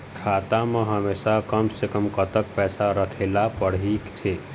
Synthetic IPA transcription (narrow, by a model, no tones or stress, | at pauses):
kʰaːt̪amə̃ɦɐmeːʃakəmsekəmkət̪ək̚pɛːsaɾəkʰeːlapəɽ̤iːkt̪ʰeː